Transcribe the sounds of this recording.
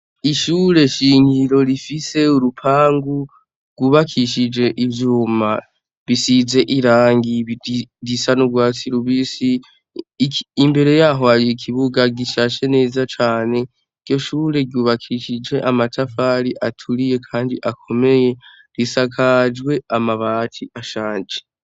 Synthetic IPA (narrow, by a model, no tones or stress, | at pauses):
iʃuːɾe̞ʃiːŋiɾo̞ɾifise̞uɾupʰaːŋɡu | ɡ̥uβakʰiʃid͡ʒe̞ʔivjuːma | βisize̞ʔiɾaːŋɡidisanuɡwaːt͡siɾuβisi | mbe̞ɾe̞jaːɦo̞haɾijekʰiβuɡaɡiʃaːʃe̞ne̞ːzat͡ʃaːne̞ | iɡ̥jo̞ʃuːɾe̞ɡuːβakʰiʃid͡ʒe̞ʔamatʰafaɾiʔatʰuɾije̞kʰaːndiʔakʰo̞me̞je̞ | ɾisakʰad͡ʒɡwe̞amaβaːtʰiʔaʃaːnd͡ʒe̥